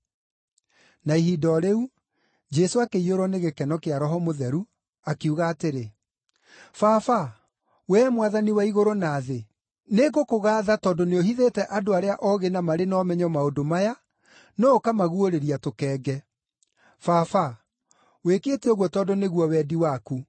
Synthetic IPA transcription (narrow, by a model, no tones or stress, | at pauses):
naiɦidɔɾeu | d͡ʒɛsoakeioɾɔneɣekɛnɔkeaɾɔɦɔmoðɛɾu | akeuɣaːteɾe | fafa | wɛːmwaðaniwaiɣoɾonaːðe | neɡokoɣaːðatɔːndoneohiðetɛʔadoaɾeaʔɔɣenamaɾenɔːmɛɲɔmaodomaja | nɔːkamaɣuoɾeɾiatokɛːɡɛ | fafa | wekeːteoɣwɔtɔːndoneɣwɔwɛːdiwaku